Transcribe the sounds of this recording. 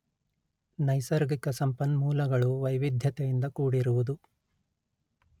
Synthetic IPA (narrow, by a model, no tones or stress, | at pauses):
nɐjsɐɾɡikɐsɐmpɐnmuːlɐɡɐɭuʋɐjʋid̪ʱjɐt̪ɛjind̪ɐkuːɽiɾuʋud̪u